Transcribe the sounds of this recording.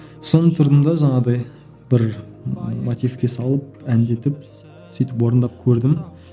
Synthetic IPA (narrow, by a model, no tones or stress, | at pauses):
so̞nət̪ʰʊɾd̪ənd̪ɑʒɑɴɑd̪ɑj | bɪɾ | mot̪ijfkʲe̞sɑlˠəp̚ænd̪e̞t̪ɪp̚ | sijt̪ɪpwo̞ɾənd̪ɑp̚kʲʰɵɾd̪ɪm